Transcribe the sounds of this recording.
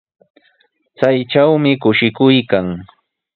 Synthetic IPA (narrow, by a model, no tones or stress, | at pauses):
t͡sajʈ͡ʂawmɪkʊʃɪkʊjkaŋ